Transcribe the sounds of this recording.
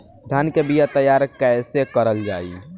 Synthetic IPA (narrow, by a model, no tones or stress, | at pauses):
d̪ʱjankebijat̪əjaːɾkɛɪsekəɾəld͡ʒaːi